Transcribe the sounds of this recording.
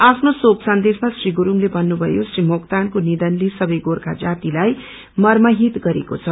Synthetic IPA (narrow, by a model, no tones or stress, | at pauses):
apʰnosoksʌnd̪esmasriɡuɾumlebʱʌnːubʱʌjosrimokt̪ankonid̪ʌnlesʌbʌjɡorka̰d͡zat̪ilaj | mʌrmʌɦit̪ɡʌɾḛkot͡sʰʌ